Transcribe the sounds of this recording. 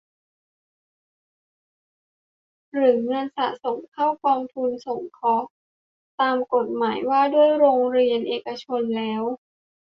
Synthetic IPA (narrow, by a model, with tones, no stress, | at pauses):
ɾɯ˨˩˦ŋɤ˧nsa˨˩so˨˩˦mkʰa˥˩wkɔː˧ŋt̪ʰu˧nso˨˩˦ŋkʰɔ˦˥ | t̪aː˧mko˨˩t̪̚maː˩˦jwaː˥˩du˥˩əjɾoː˧ŋɾi˧ənʔeː˨˩ka˧t͡ɕʰo˧nlɛː˦˥w